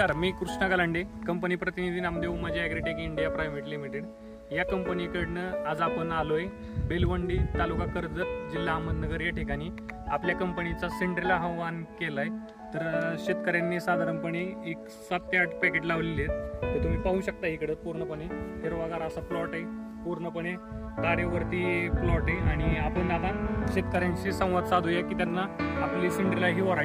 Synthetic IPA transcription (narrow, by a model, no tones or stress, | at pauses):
saɾmiːkɾuʂɳaɡaləɳɖekəmpəniːpɾət̪inid̪ʱiːnamd̪euməd͡ʑʱiaɡɾeʈekiɳɖijapɾajmiʈlim̤iʈeɽ | jakəmpənikəɽnəad͡zapənaloj | belʋəɳɖiːt̪alukakəɾd͡zət̪d͡ʑilːaːmənnəɡəɾjaʈʰikaɽ̃iː | apljakəmpənit͡saseɳʈɾelaɦəʋʋankelaj | t̪əɾɕit̪kəɾjanːisad̪ʱaɾəmpəɳ̃iːk | sat̪ːjaʈpɛkeʈlaʋlilet̪t̪ət̪um̤iːpaɦuːɕək̚t̪aɦikəɽet̪̚puɾɳəpəɳ̃eɦ̪eɾʋaɡaɾasaflɔʈe | puɾɳəpəɳe | k̪aɾjəʋəɾt̪iːflɔʈeaɽ̃iapəɳnːad̪ʱanɕit̪̚kəɾjãɲt͡ɕiːsə̃w̃ʋəd̪sad̪ʱujakiːt̪janːaːpliseɳʈɾilaɦiːʋəɾa